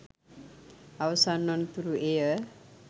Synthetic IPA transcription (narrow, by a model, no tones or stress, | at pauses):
awsanːʌnt̪uɾueə